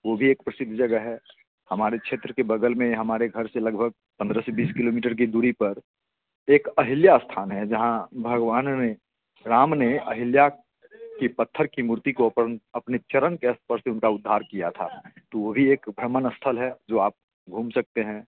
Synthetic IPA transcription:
ʋobʱieːk̚pɾəsɪd̪ʱːd͡ʒəɡəɦɛ | hɐmaːɾekʃʰeːt̪ɾəkebəɡ̪əlmẽɦɐmaːɾeɡʱəɾselɐɡbʱəɡ̚ | pə̃nd̪ɾəsebiːskɪloːmiːʈəɾk̬id̪uːɾipəɾ | eːkəɦɪljast̪ʰaːnɦɛd͡ʒɐɦãbʱɐɡʋaːnːe | ɾaːmneəɦɪlja | kipət̪ʰːəɾkimuɾt̪ikopnɐpnet͡ʃəɾənkeəst̪̚ʰpəɾseʊnkaʊd̪ʱːaːɾkijat̪ʰa̰t̪oʋobʱieːkbʱɾəmənəst̪ʰəlɦɛd͡ʒoːaːp̚ | ɡʱũːmsɐk̚t̪eɦɛ̃ː

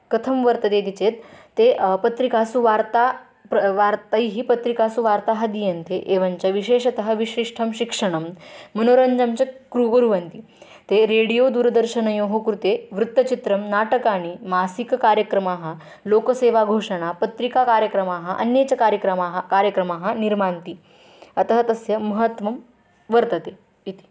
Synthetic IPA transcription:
kɐt̪ʰɐmʋəɾt̪ɐed̪it͡ɕet̪ː | epɐt̪ɾikasuʋaɾt̪a | pʋaɾt̪ɐjɦiːpɐt̪ɾikasuʋaɾt̪aɦɐd̪ijɐnt̪eʔeʋaɲt͡ɕaʋiɕeːɕɐt̪ɐɦɐʋiɕɾiʂʈʰɐmɕikʂəɽ̃ɐmːɐnoːɾɐɲd͡ʑɐmt͡ɕekɾuɡoɾuʋɐnt̪i | t̪eɾeɽijod̪uːɾəd̪əɾɕɐnɐjoɦokɾut̪eʋɾut̪ːɐt͡ɕit̪ɾɐmnaʈəkaɽ̃imasikkaɾjəkɾɐmaːɦɐ | lokəseʋaɡʱoʂɐɽ̃apɐt̪ɾikakaɾjəkɾɐmaɦɐʔɐ̰njet͡ɕakaɾjəkɾɐmaɦkaɾjəkɾɐmaɦɐniɾmaɳt̪i | ɐt̪ɦɐt̪ɐsjɐmɐɦət̪ʋɐm | ʋəɾt̪ət̪e | it̪i̥

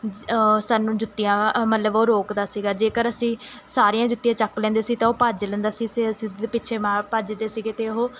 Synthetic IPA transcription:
saːnũːd͡ʒʊt̪ːijãːmət̪ləboːɾoːkd̪aːsiːɡaːd͡ʒeːkəɾəsĩː | saːɾijãːd͡ʒʊt̪ːijãːt͡ʃəklɛ̃ːnd̪eːsiːɡt̪ãːɦoːpaːd͡ʒlɛ̃ːnd̪aːsiːɡseəsĩːepɪːt͡ʃʰeːmãːpaːd͡ʒd̪eːsiːɡeːt̪eːɦoː

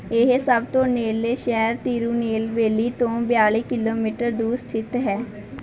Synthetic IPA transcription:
ɪɦsəb̚t̪õːneːleːʃɛːɾt̪iːɾuːneːlʋeːliːt̪õːbjaːleːkɪloːmiːʈəɾd̪uːst̪ʰɪt̪ɦɛː

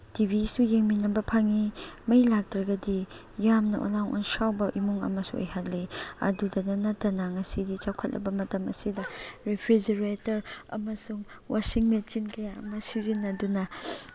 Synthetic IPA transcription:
tibʱisujeŋminɐbɐpʰaŋimɐjlak̚tɾɐɡɐdi | jamnɐʔo̰laŋʔo̰nsawbɐʔimuŋɐ̰mɐsṵo̰jhatliɐ̰dudɐnɐnɐtːɐnɐŋɐsidit͡ʃawkʰɐt̚lɐ̰bɐmɐtɐmɐ̰sidɐɾepʰɾid͡ʒeɾetɐɾɐ̰mɐsuŋ | wasiŋmet͡ʃinkɐjaɐ̰mɐsizinːɐdunɐ

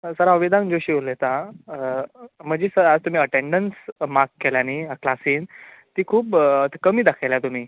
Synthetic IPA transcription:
səɾaəʋid̪ʱãŋkd͡ʑoɕiːʋolet̪ã | m̤əd͡ʑisəɾad͡zt̪um̤iːəʈeɳɖənsmakːeljaniɦãklasiːnt̪iːkʰuːp̪kəmiːd̪akʰajljat̪um̤iː

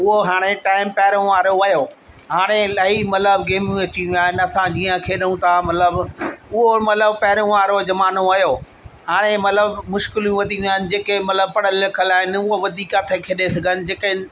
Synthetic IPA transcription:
ʊɦoɦaːɽ̃eʈaːɪmpɐɦɪɾõʋaːɾoɐjoː | ɦaːɽ̃elɐɦimɐt̪ləbɡeːmjũɐt͡ɕĩaːɦɪnɪɐsãd͡ʑiːə̃kʰeːɗəũt̪ʰamɐt̪ləbʊɦomɐt̪ləbpɐɦɪɾõʋaːɾod͡ʑɐmaːnoɐjoː | haːɽ̃emɐt̪ləbmʊʃkɪljũʋɐd̪ʱĩaːɦɪnɪ̆d͡ʑeːkemɐt̪ləb̚pɐɽəlːɪkʰəlaːɦɪnʊɦoʋɐd̪ʱiːkat̪ʰekʰeːɗesɐɡʱənɪ̆d͡ʑeːkeɪ

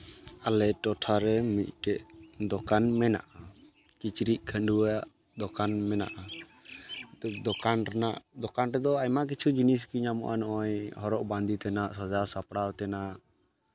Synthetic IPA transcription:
alɛʈɔʈʰaɾɛmit̪̚ˀʈɛʔd̪ɔkanmɛna̰ʔa | kit͡ʃɾiʔ̚kʰəɳɖuwaʔ | d̪ɔkanmɛna̰ʔa | t̪ud̪ɔkanɾɛnaʔd̪ɔkanɾɛd̪ɔajmak̬it͡ʃʰud͡ʒinis̬kiɲamɔ̰ʔanɔʔɔjhɔɾɔʔband̪it̪ɛnaʔsɔd͡ʒawsapɽawt̪ɛnaʔ

